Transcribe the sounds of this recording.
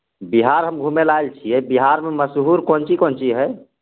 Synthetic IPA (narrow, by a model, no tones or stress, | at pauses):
biɦaɾɦəmɡʱumelaelt͡ʃʰiɛbiɦaɾmeməsɦuɾkont͡ʃikont͡ʃʰiɦɛ